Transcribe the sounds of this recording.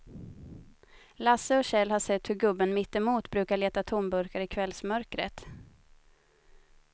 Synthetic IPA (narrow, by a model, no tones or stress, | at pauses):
lasːəɔɕɛlːhaʂɛt̪ːhɵɾɡɵbːənmɪt̪ːɛmuːt̪bɾʉ̟ːkaɭeːt̪at̪ʰʊmbɵɾkaɾɪkʰvɛlsmœɾkɾə̰t̪